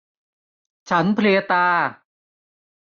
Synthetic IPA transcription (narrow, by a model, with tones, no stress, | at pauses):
t͡ɕʰa˦˥npʰli˧ət̪aː˧